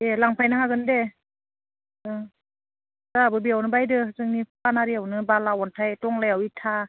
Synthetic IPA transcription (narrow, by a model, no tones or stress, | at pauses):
elaŋpʰajnaɦaɡɯnde | ɯ | zabɯbiawnɯbajdɯzɯŋnippanaɾiawnɯbalawɔntʰajtɔŋlajawitʰa